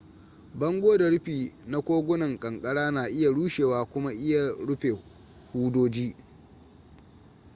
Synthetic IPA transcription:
bɐ˦ŋɡʷoː˦da˨ɽʊ˦ɸiː˨na˦kʷoː˦ɡʷʊ˦nɐ˨ŋkʼɐ˨ŋkʼɐ˦ɽaː˦naː˨ʔɪ˦ja˨ɽuː˦ʃeː˨waː˨kʷʊ˦ma˦ʔɪ˦ja˨ɽʊ˦ɸeː˨ | huː˦doː˦d͡ʒiː˦

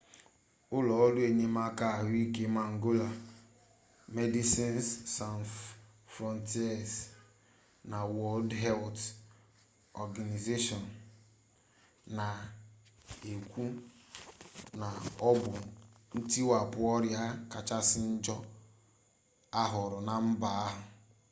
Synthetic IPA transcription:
ʊ˦lɔ˨ɔ˦lu˦e˨ɲe˦ma˦ka˦˨ɦʊ˦i˦ke˦ma˨ŋ̩˨ɡo˦la˨ | me˦di˦si˦nssa˨n | fɾɔ˨nti˦ɛ˨s | na˨wɔ˦ldɦɛ˦lt | ɔ˨ɡa˨ni˨ze˦ʃɔ˨n | na˨ | e˨kʷu˦ | na˨ɔ˦bʊ˨n̩˦ti˦wa˨pʊ˨ɔ˦ɾja˦ka˨t͡ʃa˦sɪ˦n̩˦d͡ʒɔ˦ | a˦ɦʊ˨ɾʊ˨na˨m̩˦ba˨a˦ɦʊ˨

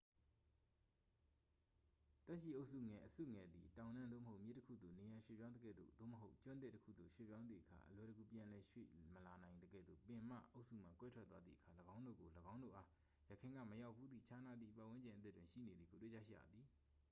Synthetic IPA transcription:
t̪ɛ˦ʔʃḭ˦˨ʔo˦ʊʔsṵ˦˨ŋɛ˨ʔəsṵ˦˨ŋɛ˨d̪ðḭ˨tã˨ʊ̃nã˦nd̪ðo̰˦˨mə˨ɦo˦ʊʔmjɪ˦tːə˦kʰṵ˦˨d̪o˨ne˨jã˨ʃwḛ˦˨pjã˦nə˦ɡɛ̰˦˨d̪ðo̰˦˨d̪o̰˦˨məɦo˦ʊʔt͡ɕʊ̃˦nt̪̬ɪ˦˨tːəkʰṵ˦˨d̪o˨ʃwḛ˦˨pjã˦ʊ̃nd̪i˨ʔəkʰa̰˨ʔəlwɛ˨ɾəɡu˨pjã˨lɛ˨ʃwḛ˦˨məla˨nã˨ɪ̃nd̪əɡɛ̰˦˨d̪ðo̰˦˨pɪ̃˨m̥a̰˦˨ʔo˦ʊʔsṵ˦˨m̥ã̰˦˨kwɛ˦tʰwɛ˦t̪ːwa˦d̪ðḭ˦˨əkʰa˨ləɡã˦ʊ̃ndo̰˦˨ɡo˨ləɡã˦ʊ̃ndo̰˦˨ʔa˦ | jə˨kʰɪ̃˨ŋɡä̰˦˨məja˦ʊpʰːu˦d̪ðḭ˦˨t͡ɕʰa˦na˦d̪ðḭ˦˨pa˦˨w̃ɪ̃˦ɲd͡ʑɪ̃˨ʔət̪ɪ˦twɪ̃˨ʃḭ˦˨ne˨d̪ði˨bo˨twḛ˦˨a̰˦ʃḭ˦˨ja̰˨d̪ði˨

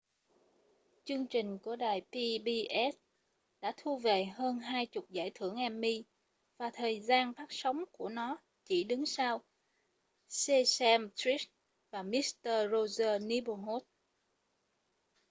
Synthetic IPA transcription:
t͡ɕɨ˧əŋt͡ɕï˨˩ŋ̟ku˧˩əɗaː˨˩jpi˧ɓi˧ʔɛ˦˥t̚ | ɗa̰ː˧˥t̪ʰu˧ve˨˩həː˧nɦaː˧jt͡ɕʊ˨˩k͡p̚za̰ː˧˩jt̪ʰɨ˧˩əŋʔɛ˧mːi˧ | vaː˨˩t̪ʰəː˨˩jzaː˧nfʰaː˦˥k̚sə˨˦wŋ͡mku˧˩ənɔ˨˦ | t͡ɕi˧˩ɗɨ˨˦ŋsaː˧w | se˧sɛ˧mt̪ɹi˦˥s | vaː˨˩mi˦˥tt̪əː˧zo˧zəː˧ni˨˧˦ɓo˧ɦo˦˥t̚

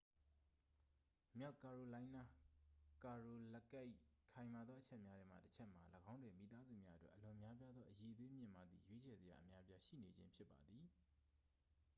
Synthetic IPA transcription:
mja˦ʊʔka˨ɹo˨lã˦ɪ̃na˦ka˨ɹo˨lɛ˦ka˦ɪkʰã˨ɪ̃ma˨d̪ðɔ˦ʔət͡ɕʰɛ˦ʔmja˦dɛ̃˦m̥a̰˦˨tət͡ɕʰɛ˦ʔm̥a˨ləɡã˦ʊ̃ndwẽ˨mḭ˨t̪a˦zu˦˨mja̰˦ʔətwɛ̰˦ʔəlʊ̃˨ʔəmja˦p̬ja˦d̪ðɔ˦ʔəje˨ʔəd̪we˦mjɪ̰̃˦˨ma˨d̪ðḭ˨jwe˦t͡ɕʰɛ˨zə˨ja̰˨ʔə˨mja˦əpja˦ʃḭ˦˨ne˨d͡ʑɪ̰̃˦mpʰjɪ˦pːa˨d̪ði˨

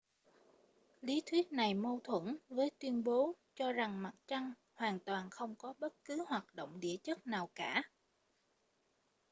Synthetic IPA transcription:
li˨˦t̪ʰwi˦˥ət̚na˨˩jmo˧t̪ʰwə̰˧˥nvəː˨˦jt̪wi˧ənɓo˨˦ | t͡ɕɔ˧za˨˩ŋma˨˩t̚t͡ɕa˧ŋ | hwaː˨˩nt̪waː˨˩nxə˧wŋ͡mkɔ˨˦ɓə˦˥t̚kɨ˨˦hwaː˨˩t̚ɗo̰˧˨wŋ͡mɗi˧˩ət͡ɕə˦˥t̚naː˨˩wkaː˧˩˨

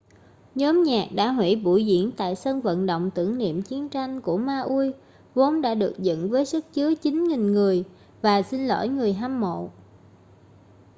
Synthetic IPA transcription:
ɲɔ˨˦mɲaː˨˩k̚ɗa̰ː˧˥ɦwḭ˧˩ɓṵ˧˩jzḭ˧˩˥ənt̪a̰ː˧˨jsə˧nvə̰˧˨nɗo̰˧˨wŋ͡mt̪ɨ˧˩əŋnḭ˧˨əmt͡ɕi˨˦ənt͡ɕa˧jŋ̟ku˧˩əmaː˧ʔu˧j | vo˨˦nɗa̰ː˧˥ɗɨ˨˩ək̚zə̰˧˨nvəː˨˦jsɨ˦˥k̚t͡ɕɨ˨˦ət͡ɕï˨˦ŋŋï˨˩ŋ̟ŋɨ˨˩əj | vaː˨˩si˧nlo̰˧˥˩jŋɨ˨˩əjɦaː˧mːo̰˧˨

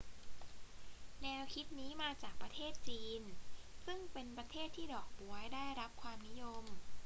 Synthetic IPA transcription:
nɛː˧wkʰi˦˥t̪̚niː˦˥maː˧t͡ɕaː˨˩k̚pɾa˧t̪ʰeː˥˩t̪̚t͡ɕiː˧nsɯ˥˩ŋpe˧npɾa˧t̪ʰeː˥˩t̪ʰːiː˥˩dɔː˨˩k̚bu˨˩˦ɐjdaː˥˩jɾa˦˥p̚kʰwaː˧mni˦˥jo˧m

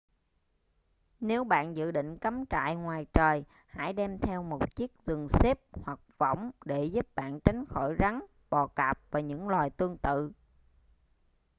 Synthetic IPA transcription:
ne˨˦wɓa̰ː˧˨nzɨ̰˧˨ɗḭ˧˨ŋ̟kə˨˦mt͡ɕa̰ː˧˨jŋwaː˨˩jt͡ɕəː˨˩j | ha̰ː˧˥jɗɛ˧mt̪ʰɛ˧wmo˨˩t̚t͡ɕi˦˥ək̚zɨ˨˩ŋse˦˥p̚hwa˨˩k̚və̰˧˥wŋ͡mɗe˧˩zu˦˥p̚ɓa̰ː˧˨nt͡ɕa˨˦jŋ̟xo˧˩jɣa˨˦ŋ | ɓɔ˨˩kaː˨˩p̚vaː˨˩ɲɨ̰˧˥ŋlwaː˨˩jt̪ɨ˧əŋt̪ɨ̰˧˨

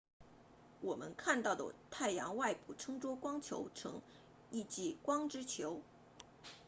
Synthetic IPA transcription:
wɔ˨˩mə˧˦nkʰa˥˧nt̪ɑ˥˩ʊd̪ə̰˨˩t̪ʰa˥˩ɪjɑ̰˧˥ŋwa˥˩ɪpu˨˩ʈ͡ʂʰɤ˥ŋʈ͡ʂwɔ˥kwɑ˥ŋt͡ɕʰjo̰˧˥ʊʈ͡ʂʰɤ̰˧˥ŋ | i˥˧t͡ɕi˥˩kwɑ˥ŋʈ͡ʂɻ̩˥t͡ɕʰjo˧˥ʊ

